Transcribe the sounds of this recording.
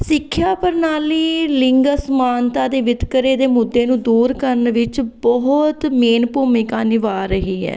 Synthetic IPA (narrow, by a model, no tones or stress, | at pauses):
sɪkʰːjaːpəɾnaːliːlɪŋɡəsmaːnt̪aːd̪eːʋɪt̪kəɾeːd̪eːmʊd̪ːeːnũːd̪uːɾkəɾənʋɪt͡ʃbɔɦt̪meːnpoːmẽːkaːnɪʋaːɾəɦiːɦɛ̰ː